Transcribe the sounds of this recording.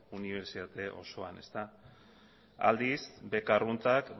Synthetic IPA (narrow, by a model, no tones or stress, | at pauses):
uniβ̞e̞ɾsit̪at̪e̞ʔo̞̰so̞ane̞̰st̪a | a̰ld̪isbe̞karunt͡sak